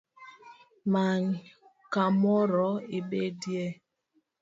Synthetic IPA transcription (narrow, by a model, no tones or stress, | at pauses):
maɲ | kamɔɾɔibedje